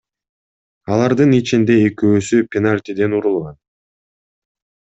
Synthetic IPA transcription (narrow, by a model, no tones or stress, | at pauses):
ɑlˠɑɾd̪ɯnit͡ʃind̪e̞ːkøːsypʲenalʲt̪ʲid̪e̞nuɾulˠʁɑn